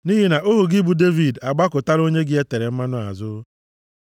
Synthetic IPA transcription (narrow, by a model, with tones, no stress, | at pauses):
ni˦ɦi˦na˨ʔo˦ɦu˨ɡɪ˦bu˨de˦vi˨da˨ɡ͡ba˦kʊ˨ta˦ɾo˦ɲe˦ɡɪ˦e˦te˨ɾe˨m̩˦ma˦nʊ˦a̰˨zʊ˦